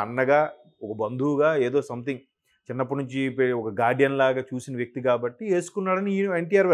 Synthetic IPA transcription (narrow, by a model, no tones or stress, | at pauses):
ɐ̰nːɐɡaː | ɔkɐbɐnd̪ʱuːɡaːeːd̪o̞ːsɐmt̪iŋ | t͡ʃinːɐp̬ːɐnuɲt͡ʃipɔkɐɡaːɖjɐnlaːɡaːt͡ʃuːsinɐʋjɐk̚t̪ikaːbɐʈːieːsu̥kunːaːɽɐnieɳʈiːaːɾʋɐ